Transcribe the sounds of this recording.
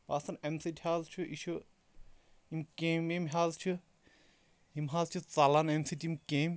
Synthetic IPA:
paːsɐnemsitʲhaːzt͡ʃʰuʔiʃʰu | imkememɦʲaːzt͡ʃʰu | imɦaːzt͡ʃʰut͡salanemsitimkem

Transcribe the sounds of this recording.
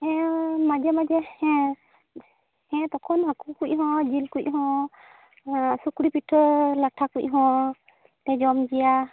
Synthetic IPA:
ɛ̃mad͡ʒɛmad͡ʒɛhɛ | hɛ̃t̪ɔkʰɔnɦakukuʔ̚ˀɦɔ̃d͡ʒilkuʔ̚ˀɦɔ̃ | sukɽipiʈʰlaʈʰakuc̚ˀɦɔ̃ | t̪ɛd͡ʒɔmd͡ʒija

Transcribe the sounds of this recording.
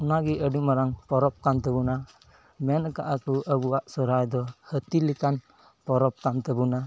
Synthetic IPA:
unaɡiʔədumaɾaŋpɔɾɔp̚kant̪əbuna | mɛnəka̰ʔakuʔəbuwaʔsɔɾajd̪ɔhət̪ilikan | pɔɾɔp̚kant̪əbuna

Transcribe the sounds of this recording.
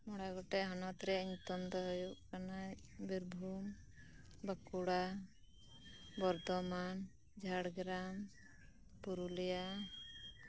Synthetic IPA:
mɔɽajɡɔʈɛɦanɔt̪ɾɛiɲt̪ɔnd̪ɔɦɔjuʔkanajbiɾbʱum | bəkuɽa | bɔɾt̪ɔman | d͡ʒʱaɽɡɾam | puɾulija

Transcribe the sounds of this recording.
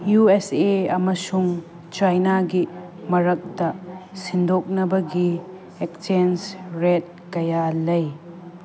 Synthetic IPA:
jueseɐmɐsuŋ | t͡ʃajnaɡimɐɾɐk̚dɐsindɔk̚nɐbɐɡi | ek̚t͡ʃensɾet̚kɐjalɐj

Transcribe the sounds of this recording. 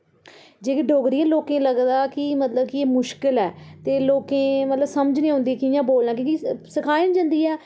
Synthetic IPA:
d͡ʒeːkeɖoːɡd̪ijɛ̃ːloːkẽːləɡd̪aːkɪmət̪ləbkɪeːmʊʃkɪlɛːt̪eːloːkẽːmət̪ləbsəməd͡ʒnẽːɦʊ̃ːnd̪iːɛːkɪjãːboːlnãːkjõːkisɪkʰaːɪnd͡ʒãːnd̪iːɛː

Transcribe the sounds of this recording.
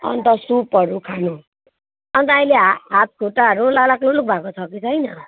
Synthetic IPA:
ʌ̰nt̪ʌsupʌɾukʰanu | ʌnt̪ʌaĩleɦɦat̪̚kʰoʈaʌɾulalakluluk̚bʱakot͡sʰʌkit͡sʰʌjnʌ

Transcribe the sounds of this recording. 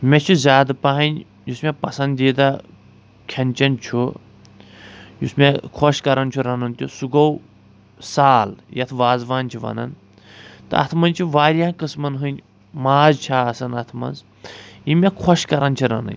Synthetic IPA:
mʲet͡ʃʰuzʲaːd̪ɨpɐɦɐnʲ | jusmʲepɐsɐnd̪iːd̪a | kʲʰɐnʲt͡ʃɐnt͡ʃʰu | jṵsmʲekʰɔʃkɐɾɐnʲt͡ʃʰuɾɐnɐnt̪ʲusuɡɐw | saːljɐt̪ʰʋaːzʋaːnʲt͡ʃʰiʋɐ̰nɐ̰n | t̪ɨ̰ɐ̰t̪ʰmɐnʲt͡ʃʰiʋaːɾʲaːkɨsmɐnɦɨnʲ | maːzt͡ʃʰaːɐsɐnɐt̪ʰmɐ̰nz | jimʲekʰɔʃkɐɾɐnt͡ʃʰiɾɐnɐ̰nʲ

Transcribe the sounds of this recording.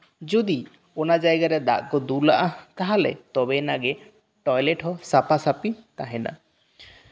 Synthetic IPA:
d͡ʒud̪i | ɔnad͡ʒajɡaɾɛd̪a̰ʔkɔd̪ulaʔak̪aɦalɛ̰t̪ɔbɛnaɡɛ | ʈɔjlɛʈɦɔsapasapit̪aɦɛna̰

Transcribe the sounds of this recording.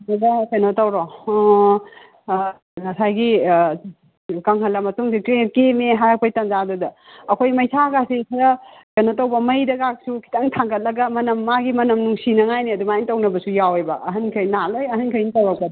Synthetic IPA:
nɐɡɐsenotɐwɾo | ŋɐsajɡi | kɐŋɦɐlːɐmɐtuŋsikɾekemeɦaɾɐk̚pʰɐjtɐnzadudɐːkʰojmɐjsʰakasikʰɐɾɐ | senotɐwbɐmɐjdɐɡak̚sukʰi̥taŋtʰaŋɡɐt̚lɐɡɐmɐnɐmːaɡimɐnɐmnuŋsinɐŋajniɐdumaintɐwnɐbɐsujawejbɐʔɐɦɐnkʰɐjnalojɐɦɐnkʰɐjnitɐwɐk̚bɐd

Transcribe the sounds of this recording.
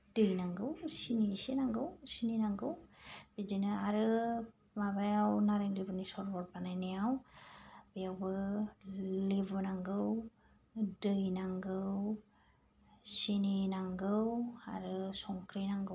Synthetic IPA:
d̥ɯjnaŋɡɯwsinisenaŋɡɯwsininaŋɡɯwb̥id͡ʒinɯaɾɯ | mabajawnaɾeŋlibɯnisɔɾbɔɾbanajnɛaw | bejawbɯ | libɯnaŋɡɯw | dɯjnaŋɡɯw | sininaŋɡɯwa̰ɾɯsɔŋkɾenaŋɡɯw

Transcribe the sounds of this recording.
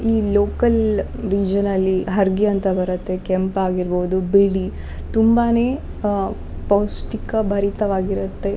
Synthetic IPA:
iːloːkɐl | ɾiːd͡ʒɐnɐlːiɦɐɾɡiɐnt̪ɐbɐɾɐt̪ːekempaːɡiɾboːd̪ubeɽi | t̪umbaneː | poːsʈikɐbʱɐɾit̪ɐʋaːɡiɾut̪ːe̞

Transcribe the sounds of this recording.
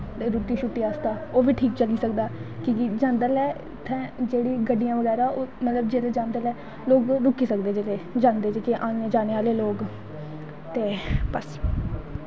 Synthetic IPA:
t̪eɾuːt̪iːʃʊʈːiːaːst̪aːoːʋiːʈʰiːk̚t͡ʃəliːsək̚d̪aːkikɪd͡ʒãːnd̪aːlɛː | t̪ʰːɛ̃ːd͡ʒeːɽiːɡəɖːijãːʋəɡɛːɾaːoːmət̪ləbd͡ʒeːleːd͡ʒãːnd̪aːlɛː | loːkɾʊkːiːsəkd̪eːd͡ʒeːleːd͡ʒãːnd̪eːd͡ʒekeʔaːnjãːd͡ʒaːneːaːleːloːɡ | t̪eːpəs

